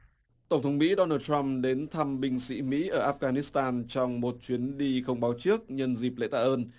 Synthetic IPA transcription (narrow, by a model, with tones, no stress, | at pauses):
t̪ə˧˩wŋ͡mt̪ʰə˨˦wŋ͡mmḭ˧˥ɗɔ˧naː˧t̪a˧mɗe˨˦nt̪ʰa˧mɓï˧ŋ̟sḭ˧˥mḭ˧˥ʔəː˧˩ʔaː˦˥f̚ɣaː˧ni˦˥st̪aː˧nt͡ɕɔ˧wŋ͡mmo˨˩t̚t͡ɕwi˨˦ənɗi˧xə˧wŋ͡mɓaː˨˦wt͡ɕɨ˦˥ək̚ɲə˧nzi˨˩p̚lḛ˧˥t̪a̰ː˧ʔəː˧n